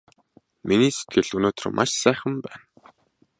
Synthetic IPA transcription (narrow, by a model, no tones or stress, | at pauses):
miniːse̥t̪̚ɡɘ̆ɮɵnoːt̪r̰̆mʔa̰ʃsæːχə̆mpæːn